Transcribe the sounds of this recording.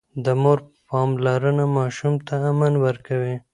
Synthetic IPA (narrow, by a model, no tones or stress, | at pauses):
d̪əmoɾpɑmlaɾənamɑʃumt̪ʰaːmanwəɾkawi